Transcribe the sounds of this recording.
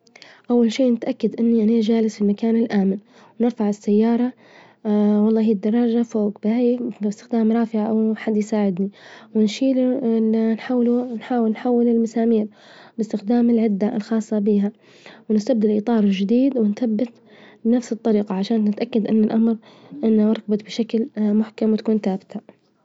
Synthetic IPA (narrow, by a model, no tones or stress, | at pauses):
ʔawːalʃiːnɪt̪ʔakːad̪ʔɪnːiʔaniːd͡ʒaːlɪsfilmakaːnɪlʔaːmɪn | wnɪɾfaʕɪsːajːɑːɾˤɑ | wɑlˤːɑːɦiːd̪ːɑrˤːɑːd͡ʒafoːɡbɪhajbɪst̪ɪxd̪aːmɾˤɑːfɪʕaʔawħad̪ːjsaːʕɪd̪niwɪnʃiːllnħawlunħaːwɪlnħawːɪlɪlmasaːmiːɾ | bɪst̪ɪxd̪aːmɪlʕɪd̪ːalxɑːsˤːɑbiːɦa | wnɪst̪abd̪aɪlʔiːt̪ˤɑːɾˤld͡ʒɪd̪iːd̪wɪnθabːɪt̪ | nafsɨt̪ˤːɑɾiːqɑʕaʃaːnːɪt̪ʔakːad̪ʔɪnːalʔamɾʔɪnːawɑɾˤkbat̪bɪʃaklmʊħkamwɪt̪ḁkuːnθaːbɪt̪a